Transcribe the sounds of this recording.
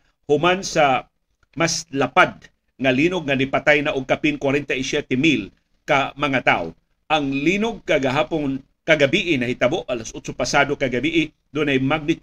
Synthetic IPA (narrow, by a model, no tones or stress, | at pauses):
hʊmansa | maslapad̪̚ | ŋɐliːnoɡ̚ŋɐnɪpat̪ajnaʔʊɡ̚kapinkwaɾɛnt̪aisjɛt̪ɛmil | kamɐŋat̪a̰ʔo̰ | ʔɐŋliːnʊɡ̚kaɡaɦaːpon | kɐɡabiːʔɪnɐhɪt̪ɐboʔʔɐlasʔot͡ʃopɐsaːd̪okɐɡɐbiʔɪ | d̪ʊnajmaɡ̚nɪt̪